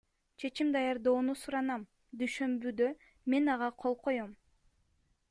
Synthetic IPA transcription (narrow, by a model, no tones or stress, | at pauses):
t͡ʃʰe̞t͡ʃimd̪ɑjɑɾd̪o̞ːnusuɾɑnɑm | d̪yjʃø̞mbyd̪ø̞ | me̞nɑʁɑqʰolˠqʰo̞jom